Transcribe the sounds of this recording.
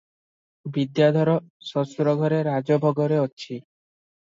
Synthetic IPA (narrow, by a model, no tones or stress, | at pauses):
bid̪jad̪ʱɔɾɔsɔsɾɔɡʱɔɾeɾːad͡ʑobʱɔɡoɾeotːɕʰi